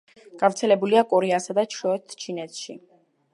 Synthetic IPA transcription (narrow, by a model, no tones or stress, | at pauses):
ɡ̥avɾt̪sʰɛlɛbuliakʼɔɾɛasad̪at͡ʃʰɔɛt̪ʰt͡ʃʰinɛt̪ʰʃḭ